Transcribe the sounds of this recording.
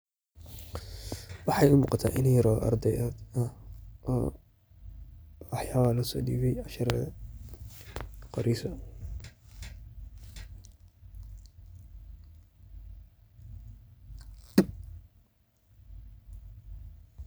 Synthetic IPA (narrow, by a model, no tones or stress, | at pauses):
wɑħɑjʊmuːqɑt̪ʰa̰ːʔɪnijɾɔːʔɐ̰rd̪ɛjɔːd̪ɐʔɔ̰ː | wɑħjaːβalɐsɔ̰ːɗiːβɛjʕɑʃɐɾɐð | qɑɾiːsɔ